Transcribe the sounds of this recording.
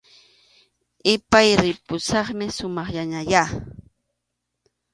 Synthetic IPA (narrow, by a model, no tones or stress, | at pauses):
ɪpajɾɪpʊsɑχmɪsʊmɑχjaɲaja